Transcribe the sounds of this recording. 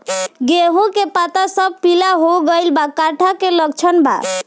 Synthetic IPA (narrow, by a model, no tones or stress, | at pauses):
ɡeɦõkepat̪asəb̚pilaɦoɡəjlbakaʈʰakeləɡ̚t͡ʃʰənba̰